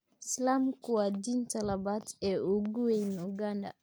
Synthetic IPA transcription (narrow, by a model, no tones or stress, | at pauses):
ɪslaːmkʊwaːd̪iːnt̪ʰɐlɐβaːt̪ɛːʔʊɡʊwɛjnʊɡandɐ̰